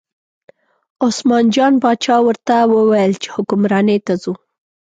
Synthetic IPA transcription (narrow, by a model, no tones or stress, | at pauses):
osmɑnd͡ʒɑnbɑt͡ʃɑwəɾt̪awəwajəlt͡ʃe̥hʊkʊmɾɑnet̪azu